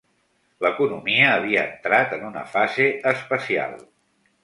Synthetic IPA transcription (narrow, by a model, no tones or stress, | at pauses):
ləkunumiəːβ̞iəənt̪ɾat̪ənunə̰fazeəspəsia̰lˠ